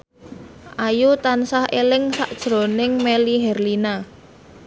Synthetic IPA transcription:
ʔajut̪ansahʔelɪŋsa̰ʔd̥ʒ̥ɾo̤nɪŋmeliɦɛrlina

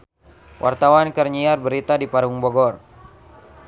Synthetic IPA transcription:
wʔa̰rt̪awankərɲiarbəɾit̪adipaɾuŋbɔɡɔr

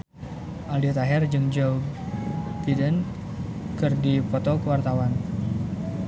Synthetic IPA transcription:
ʔaliat̪aɦɛrd͡ʒɨŋd͡ʒow | ɡidən | kɨrdipɔt̪ɔkəwart̪awan

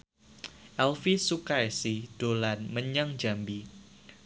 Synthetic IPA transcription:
ʔɛlfisukaesid̥olanməɲaŋd͡ʒambi

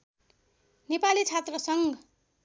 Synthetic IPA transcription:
nepalit͡sʰat̪rʌsʌŋ

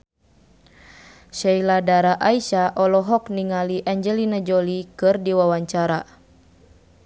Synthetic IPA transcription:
ʃɛiladaɾaʔaiʃaʔɔlɔɦɔkniŋaliʔaɲd͡ʒɛlinad͡ʒɔlikɨrdiwawaɲt͡ʃaɾa

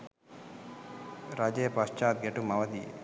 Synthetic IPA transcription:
ɾad͡ʒejpɐst͡ʃaːt̪̚ɡeʈumɐʋɐd̪ijḛ

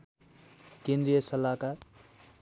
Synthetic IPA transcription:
kẽnd̪ɾijʌsʌlakaɾ

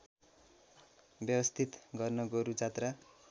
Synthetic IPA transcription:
bjʌbʌst̪ʰit̪ɡʌrnʌɡʌɾud͡zat̪ra

